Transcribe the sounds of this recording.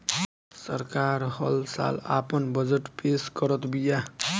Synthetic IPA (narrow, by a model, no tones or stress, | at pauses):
sʌɾkaɾhʌlsa̰lapʌnbʌd͡zeʈpeskʌɾʌt̪bija